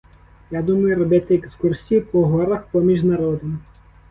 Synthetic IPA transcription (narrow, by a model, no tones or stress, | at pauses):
jad̪umɐjʊɾɔbɛt̪ɪekskursʲijipɔɦɔɾɐxpɔmʲiʒnɐɾɔd̪em